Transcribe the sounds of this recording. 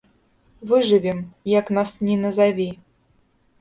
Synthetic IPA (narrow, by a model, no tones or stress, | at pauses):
vɨʐɨvʲɛmjaknasnʲinɐzavʲi